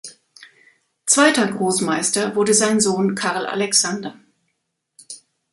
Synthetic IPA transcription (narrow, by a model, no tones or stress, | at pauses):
t͡sv̥aɪtɐɡʁoːsmaɪstɐvʊɐdəzaɪnzoːnkʰaʁl̩ʔa̰lɛksandɐ